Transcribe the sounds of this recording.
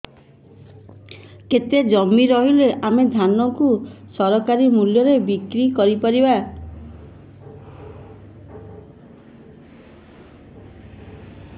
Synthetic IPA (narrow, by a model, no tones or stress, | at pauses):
ket̪ed͡ʒɔmːiɾɔɦileʔamed̪ʱanɔkusɔɾɔkaɾimuljɔɾebikɾikɔɾipaɾiba